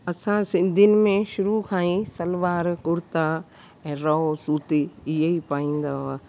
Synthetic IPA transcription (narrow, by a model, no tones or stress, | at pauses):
ɐsãsɪ̃nd̪ʱinɪ̆mẽʃʊɾukʰaːĩsɐlʋaːɾkʊɾt̪a | ɛ̃ːɾɐosuːt̪iɪɦeipaːĩːn̆d̪aːɦa